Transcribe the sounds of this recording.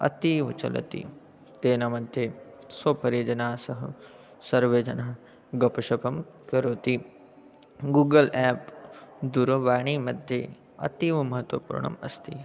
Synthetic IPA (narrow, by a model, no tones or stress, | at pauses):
ɐ̰t̪iːʋɐ̰t͡ʃɐ̰lɐ̰t̪ḭ | t̪eːnɐmɐd̪ʱje | soːpɐɾid͡ʒɐnaːsɐɦɐ | sɐɾʋeːd͡ʒɐna | ɡɐpɐʃɐpɐmkɐɾoːt̪i | ɡuːɡɐlɛːpd̪uɾɐʋaːɳ̃iːmɐd̪ʱje | ɐ̰t̪iːʋɐmɐɦɐt̪wɐpṵːɾɳɐ̰mɐ̰st̪i